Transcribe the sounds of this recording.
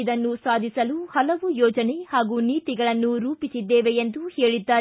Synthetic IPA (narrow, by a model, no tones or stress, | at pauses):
id̪ɐnːusaːd̪ʱisɐluhɐlɐʋujɔːd͡ʒɐnehaːɡuːniːt̪iɡɐɭɐnːuɾuːpisid̪ːeːʋeend̪uheːɭid̪ːaː